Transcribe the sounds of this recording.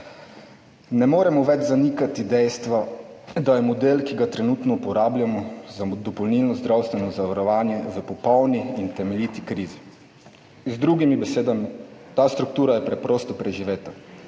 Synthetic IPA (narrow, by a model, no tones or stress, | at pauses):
nɛmoːɾɛmɔʋɛd͡ʒzanikat̪id̪ɛjst̪ʋa | d̪ajɛmɔd̪eːlkiɡat̪ɾɛnut̪nɔupɔɾaːblʲjamɔzad̪ɔpɔwnilnɔzd̪ɾawst̪ʋɛnɔzaʋaɾɔʋaːnjɛzapɔpɔwniint̪ɛmɛlʲiːt̪ikɾiːzi | zd̪ɾuɡimibɛseːd̪amit̪aːst̪ɾuk̚t̪uːɾajɛpɾɛpɾɔːst̪ɔpɾɛʒiʋeːt̪a